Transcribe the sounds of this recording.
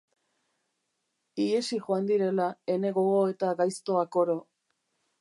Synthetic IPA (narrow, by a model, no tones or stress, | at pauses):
iesiʝoand̪iɾe̞lae̞ne̞ɣo̞ɣoe̞t̪aɣajst̪o̞ako̞ɾo̞